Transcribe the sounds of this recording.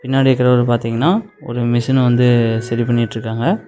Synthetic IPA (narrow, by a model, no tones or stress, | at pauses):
pɪnːaːɽikːɐɾɐʋɐɾpaːɾt̪iːŋɡɐnːaː | ɔ̰ɾɯmɪsɐnʋɐnd̪ɯsɐɾipɐɳːɪʈːɾɯkːaːŋɡɐ